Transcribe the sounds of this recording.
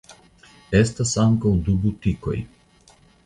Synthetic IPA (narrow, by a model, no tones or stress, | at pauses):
ɛst̪asamkowd̪ubut̪ikɔ̰j